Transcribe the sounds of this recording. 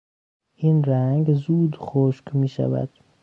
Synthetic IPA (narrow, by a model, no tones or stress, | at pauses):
ʔiːnɾæŋɡzuːd̪xoʃkmiːʃæ̰væ̰d̪̥